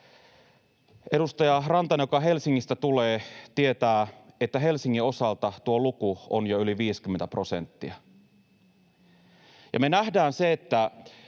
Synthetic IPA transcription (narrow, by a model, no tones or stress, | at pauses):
ʔe̞ɾust̪ɑjɑrɑnt̪ɑnjokɑɦe̞lsiŋːist̪æt̪uleːt̪ie̞t̪æːet̪ːæɦe̞lsiŋːio̞sɑlt̪ɑt̪uolukuo̰njoyliʋiːsk̟yment̪æpro̞se̞̰nt̪ːiæ | jɑme̞næhdæːnseet̪ːæ